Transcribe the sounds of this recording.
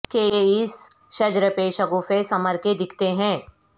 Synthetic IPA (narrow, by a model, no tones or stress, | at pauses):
kejeɪs | ʃɐd͡ʒɾəpeːʃɐɡufesɐməɾked̪ɪkʰt̪eɦɛ̃ː